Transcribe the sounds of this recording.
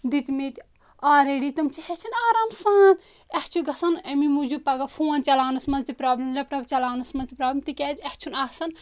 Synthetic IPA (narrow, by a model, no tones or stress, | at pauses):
d̪it̪ʲmet̪ | aːɾeɽit̪ɐmt͡ʃʰihet͡ʃʰinaːɾaːmsaːn | ɐht͡ʃʰuɡɐsɐnɐmimud͡ʒupɐɡɐfʰoːnt͡ʃɐlaːnɐsmɐnzt̪ipɾaːblʲimlɐpʈɐbt͡ʃɐlaːnɐsmɐnzt̪ipɾaːblʲmt̪ikʲɛːd͡ʒɛht͡ʃʰunaːsɐn